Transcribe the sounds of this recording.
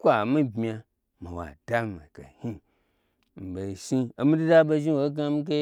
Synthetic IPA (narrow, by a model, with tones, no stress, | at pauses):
kʷa˨mi˦bmʲ˨a˧ | ma˨wa̰˨da˦ma̰˨ka˨hi˦ | m̩˨be˨ʃi˦o˨˦mi˦du˦da˦bo˧ʒi˦wo˨˦ɡa˧mi˦k̬e˦